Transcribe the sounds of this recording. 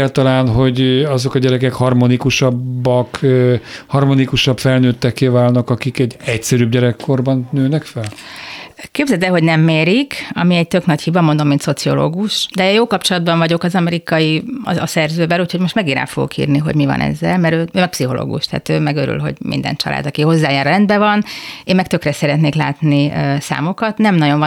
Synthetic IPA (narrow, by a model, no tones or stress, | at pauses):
aːlt̪ɒlaːnɦo̞ɟɒzokɒɟɛɾɛkɛkhɒrmonikuʃɒbːɒk | hɒrmonikuʃɒbfɛlnøːt̪ːɛkːeːvaːlnɒkɒkikɛɟɛcsɛɾyːbɟɛɾɛkʰːo̞rbɒnnøːnɛkfɛl | keːbzɛt̪ɛɦo̞ɟnɛmːeːɾikɒ̰miɛɟc̚t̪ø̞knɒchivɒmo̞nd̪o̞mːinso̞t̪sio̞̰lo̰ːɡuʃd̪ɛjoːlkɒpt͡ʃo̞lɒd̪̚bɒɱvɒɟo̞kɒzɒmɛɾikɒjḭɒsɛrzøːbɛluːcho̞ɟmo̞ʃt̪mɛɡinɾa̰ːlfo̞̰ɡo̰kḭːrniɦo̞̰ɟmivɒ̰nɛ̰zːɛ̰lmɛɾøːøːmɛk̚psiɦo̞lo̰ːɡṵʃt̪a̰ːt̪øːmɛɡøɾy̰lɦo̞̰ɟmḭnd̪ɛ̰nt͡ʃɒ̰lʔa̰ːd̪ɒkiho̞zːaːjaːɾlɛnd̪bɛvɒneːmːɛk̚t̪ø̞krɛsɛɾɛt̪neːkla̰ːt̪nisa̰ːmo̞kɒt̪nɛmnɒɟo̞ɱv